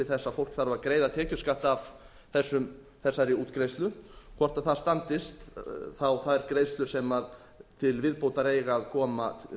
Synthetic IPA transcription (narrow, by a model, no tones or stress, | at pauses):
ɪθɛsːafowl̥kθaɾvaðkɾeːjðat̪ʰɛːcʏ̥skaht̪av̥ | θɛsːʏm | θɛsːaɾɪuːt̪kɾejst̪lʏkʰvɔr̥t̪aθaðst̪ant̪ɪst̪θawθaðɾkɾeːjst̪lʏsɛmað | t̪ʰɪlvɪðpoːwt̪aɾeːjɣaːðkʰɔːma̰